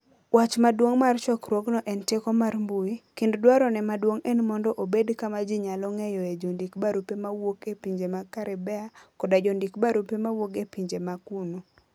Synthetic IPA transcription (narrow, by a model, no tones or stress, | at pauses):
wat͡ʃmadwoŋmart͡ʃɔkɾwoknɔʔɛntekɔmarmbuikinddwaɾɔnɛmadwoŋɛnmɔndɔʔobedkamad͡ʒiɲalɔŋɛjɔed͡ʒondikbaɾupemawokepiɲd͡ʒemakaɾɪbɛakɔdad͡ʒɔndikbaɾupemawoɡepiɲd͡ʒemakuno